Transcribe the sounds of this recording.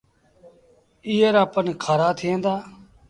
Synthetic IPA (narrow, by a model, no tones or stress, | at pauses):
iːəɾaːpənkʰaːɾaːt̪ʰɪẽːnd̪aː